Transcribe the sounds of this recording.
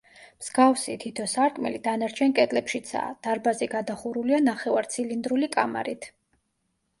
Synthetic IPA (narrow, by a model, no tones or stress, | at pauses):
mz̥ɡafsit̪ʰit̪ʰɔsaɾk̪ʼmɛ̰lid̪anaɾt͡ʃʰɛnkʼɛt̪ʼlɛpʃit̪sʰa̰ːd̪̥aɾbaziɡad̪aχuɾulianaχɛvaɾt̪sʰilind̪ɾulikʼama̰ɾit̪ʰ